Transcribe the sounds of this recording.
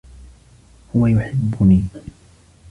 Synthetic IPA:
hʊwajʊħɪbːʊniː

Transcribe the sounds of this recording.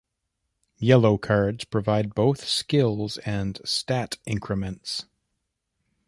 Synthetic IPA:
jɛlˠoʊkʰɑɹdz̥pʰɹ̥ɨvaɪd̚boʊθskɪlˠzɨ̃nstæɾʔɪ̃ŋkʰɹɨmɨ̃nts

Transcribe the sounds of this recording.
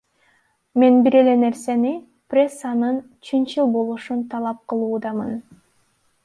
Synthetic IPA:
me̞nbiɾe̞le̞ne̞ɾse̞ni | prʲe̞sːanɯn | t͡ʃʰɯnt͡ʃɯlˠbo̞lˠuʃunt̪ʰɑlˠɑp̚qʰɯlˠuːd̪ɑmɯn

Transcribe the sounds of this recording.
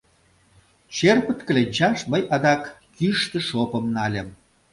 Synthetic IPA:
t͡ɕerpə̆t̪kə̆lʲenʲt͡ɕɑʃməjɑd̪ɑkː | yʃt̪ə̆ʃopə̆mnɑlʲem

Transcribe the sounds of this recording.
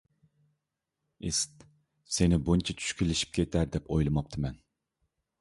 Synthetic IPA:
ist̪ | senɪbunt͡ʃʰɛt͡ʃʰy̥ʃkʲʰilɪʃi̥p̚kʲʰet̪ʰæɾd̪ɛpʰojlˠɨmɑp̚t̪ʰɨmɛn

